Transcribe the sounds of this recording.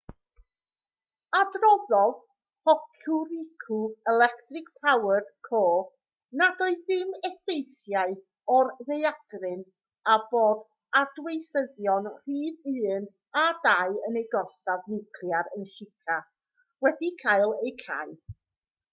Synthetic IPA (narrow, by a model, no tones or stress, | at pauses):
adrɔðɔð | pʰɔkʰʊɾɪkʰuɛlɛktrɪk̚pʰawərkʰoː | nadɔɨðɪmɛfejθjaɨ | ɔrðejaɡ̥rɪn | avoːd | adwejθəðjɔnr̥iːðɨːn | adaɨənejɡɔsavnɪkʰljaɾənʃɪkʰa | wɛdikʰajlˠejkʰa̰ɨ